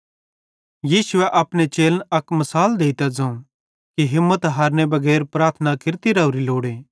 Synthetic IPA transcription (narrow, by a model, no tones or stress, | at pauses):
jiːsʊɛʔɐpñet͡ʃeːlnɐkmɐsaːld̪eːit̪ad͡zɐ̃ũ | kiɦɪmːət̪ɦaːɾnebɐɡɛːɾpɾaːɾt̪ʰənakɪɾt̪iɾɐʊɾiloːɽeː